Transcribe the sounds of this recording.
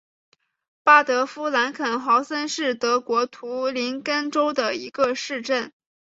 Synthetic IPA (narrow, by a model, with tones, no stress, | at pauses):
pa˥˩t̪ɤ˧˥fu˥la˧˥nkʰə˨˩nxɑ˧˥ʊsə˥nʂɻ̩˥˩t̪ɤ˧˥kwɔ˧˥t̪ʰu˧˥li˧˥nkə˥nʈ͡ʂo˥ʊd̪ə˨i˧˥ɡə˧ʂɻ̩˥˧ʈ͡ʂə˥˩n